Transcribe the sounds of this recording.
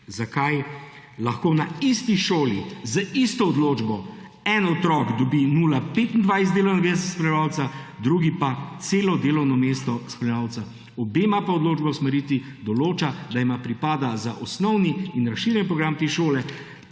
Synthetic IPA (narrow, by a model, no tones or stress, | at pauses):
zakaj | laxkoːnaist̪iʃoːlizaist̪ɔɔd̪loːd͡ʒbɔ | ɛnɔt̪ɾɔːkd̪ɔbinuːlapeːt̪ind̪ʋajszd̪elɔwnɔɡmest̪splɛʋaːwt̪sad̪ɾuɡipat̪seːlɔd̪eːlɔwnɔmeːst̪ɔsplɛʋaːwt̪sa | ɔbeːmapaɔd̪loːd͡ʒbawsmɛɾiːt̪ʋi | d̪ɔloːt͡ʃad̪aimapɾipaːd̪azaʔɔsnɔwniːnɾaʃiːɾjɛnpɾɔɡɾamt̪eːʃoːlɛ